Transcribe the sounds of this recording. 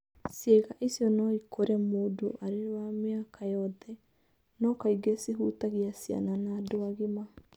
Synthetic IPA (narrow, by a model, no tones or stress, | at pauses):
sjɛɣaʔisjɔnɔikʰoɾɛmoːdo̰ʔaɾewameakʰajɔðɛ | nɔkaiɡesiɦutaɣiasia̰nanadoaɣima